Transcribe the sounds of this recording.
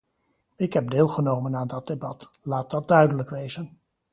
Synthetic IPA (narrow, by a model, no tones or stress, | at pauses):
ɪkɦɛb̚deːlˠχənowmənaːndɑt̚debɑt | laːt̚dɑt̚dœɥdələkʋejzən